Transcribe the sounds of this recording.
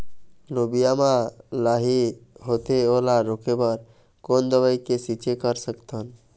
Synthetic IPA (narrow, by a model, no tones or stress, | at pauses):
lobijamãlaɦiɦot̪eolaɾokebəɾ | kond̪əbaikesit͡ʃekəɾsəkt̪ən